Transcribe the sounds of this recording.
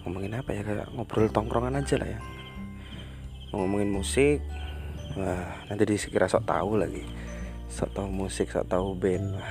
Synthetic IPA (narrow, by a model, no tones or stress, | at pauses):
ŋɔmɔŋɪnapajakaja̰ʔŋɔb̥ɾʊlt̪ɔŋkɾɔŋanad͡ʒalʔa̰hja | ŋɔmɔŋɪnmusɪk̚ | ənant̪idisə̥kiɾasɔʔt̪a̰ula̰ɡi | sɔ̰ʔt̪aumusɪk̚sɔ̰ʔt̪aubɛnah